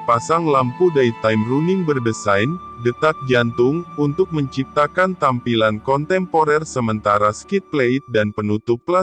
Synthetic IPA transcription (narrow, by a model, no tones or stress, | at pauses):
pasaŋlampudait̪ajmruniŋbərdəsajndət̪at̪̚d͡ʒant̪ʊŋunt̪ʊk̚məɲt͡ʃip̚t̪akant̪ampilankɔnt̪ɛmpoɾɛrsəmənt̪aɾaskit̪̚pleit̪̚danpənut̪upla